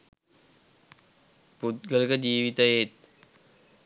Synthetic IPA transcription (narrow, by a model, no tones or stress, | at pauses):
put̪̚ɡəlkəd͡ʒiːʋit̪əjet̪̚